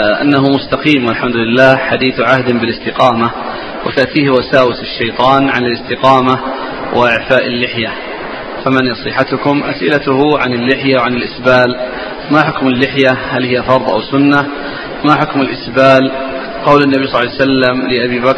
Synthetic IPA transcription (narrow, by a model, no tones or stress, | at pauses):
ʔa̰nːaɦʊmʊst̪aqiːmwalħamd̪ʊlɪlːaːħad̪iːθʕahd̪nbɪlɪst̪ɪqɑːma | wɪt̪aʔt̪iːhwasaːwɪsɪʃːajt̪ˤɑːnʕanɪlɪst̪ɪqɑːma | wʔɪʔɪʕfaːʔɪlːɪħja | famanjɑsˤɨħat̪ʊkʊmʔa̰sʔɪlat̪ʊhʊʕanɪlːɪħjawʕanɪlʔɪsbaːl | maħʊkmalːɪħjahalhɪjːafɑɾˤd̪ˤʔa̰wsʊnːa | maħʊkmɪlʔɪsbaːl | qɑwlanːabijsˤlːjsalːamlɪʔabiːbak